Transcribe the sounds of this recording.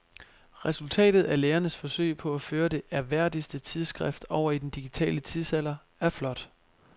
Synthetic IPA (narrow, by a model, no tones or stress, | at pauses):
ʁɛsult͡sʰɛ̰ːd̥ð̞̩ˠæleːɐnəsfɒ̽sø̰ɪ̰pʰɒ̽æføːɐd̥e̝ʔæɐʋæɐ̰d̥isd̥ət͡sʰið̞ˠsɡ̥ʁɛfd̥ɒʊ̰ɐid̥end̥iɡ̥it͡sʰɛ̰ːlət͡sʰiðˠsæl̰ɐ | æɐflɒ̽d̥